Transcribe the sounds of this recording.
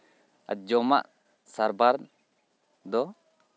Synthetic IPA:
a̰d͡ʒɔma̰ʔ | saɾbaɾ | d̪ɔ

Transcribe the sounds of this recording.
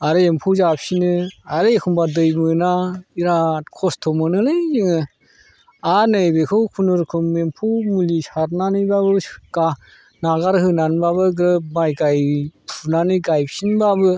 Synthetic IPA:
aɾɯempʰuwzapsinɯaɾɯekʰumbadɯjmɯnaiɾakʰɔstʰɔmɯnɯlɯjziŋɯ | anɯjbekʰɯwkʰunɯɾkʰɯmempʰuwmulisaɾnanɯjbabɯɡ̥a | naɡaɾhɯnanbaβɯɡɾɯmajɡajpʰunanɯjɡajpsinbabɯ

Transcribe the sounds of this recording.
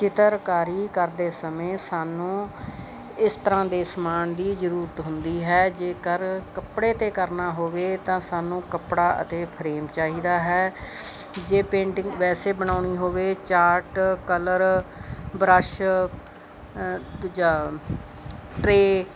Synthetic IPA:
t͡ʃɪt̪əɾkaːɾiːkəɾd̪eːsəmẽːsaːnũː | ɪst̪əɾãːd̪eːsəmaːnd̪iːd͡ʒəɾuːɾət̪ɦʊnd̪iːɦɛːd͡ʒeːkəɾkəpɽeːt̪eːkəɾnaːɦoːʋeːt̪ãːsaːnũːkəpɽaːʔə̰t̪eːpʰɾeːmt͡ʃaːɦiːd̪aːɦɛː | d͡ʒeːpẽːɳʈɪŋʋɛːseːbəñaːɳiːɦoːʋeːt͡ʃaːɾʈkələɾ | bɾəʃ | d͡ʒaː | ʈɾeː

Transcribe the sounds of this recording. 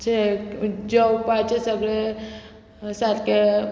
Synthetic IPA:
t͡ʃʰed͡ʒəwpat͡ʃesəɡɭe | sat̪ke

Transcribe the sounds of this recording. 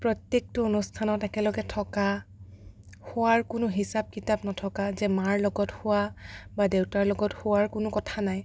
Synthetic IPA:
pɹɔtjek̚tʊonustʰanɔtɛkɛlɔɡɛtʰɔka | hʊwaɹkʊnʊɦisab̚kitapnɔtʰɔkazɛmaɹlɔɡɔthʊwabadewtaɹlɔɡɔthʊwaɹkʊnʊkɔtʰanaj

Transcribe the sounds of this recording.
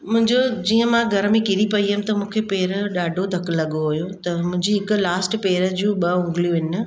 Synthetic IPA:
mʊ̃ɦɪ̃ɲd͡ʑod͡ʑiːə̃mãɡʱɐɾmẽkɪɾipɐiɦəm̆t̪ɐmũːkʰepeːɾɗaːɖʱod̪ʱɐklːɐɠoojõt̪ɐmʊ̃ɦɪ̃ɲd͡ʑiɦɪkʊ̆laːsʈpeːɾə̆d͡ʑũːɓɐʊ̃ŋɡlijũʋɪn̆

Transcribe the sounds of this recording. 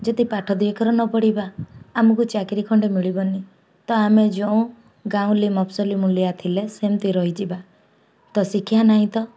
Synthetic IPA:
d͡ʒɔd̪ipaʈʰɔd̪iekʰɔɾɔnɔpɔɽibaːmɔkut͡ʃakɾikʰɔɳɖemiɭibɔni | t̪ɔamed͡ʒɔũ | ɡaũlimɔpsɔlimuljat̪ʰilesemt̪iɾɔɦid͡ʒiba | t̪ɔsikʰijanaɦĩt̪ɔ

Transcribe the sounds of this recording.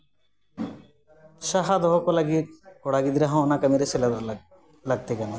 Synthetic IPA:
ʃaɦad̪ɔɦokolaɡikɔɽaɡid̪ɾaɦãɔnakamiɾesela | laɡ̚t̪ekɛno

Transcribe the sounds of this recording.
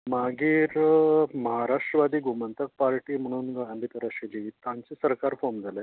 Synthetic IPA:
maɡiːɾməɦaɾaʂʈɾəʋad̪iːɡumənt̪ək̚paɾʈiːm̤əɽ̃uːnɡãnb̪it̪əɾaɕilit̪ãɲt͡sisəɾkaɾfomd͡zʱale

